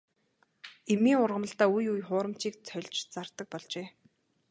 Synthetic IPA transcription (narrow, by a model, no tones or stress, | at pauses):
emiːŋʊrʁə̆mə̆ɬt̪aːujujχʊːɾə̆m̥t͡ɕiːk̚t͡sʰœɮʲt͡ɕt͡sart̪ə̆k̚pɔɮt͡ɕeː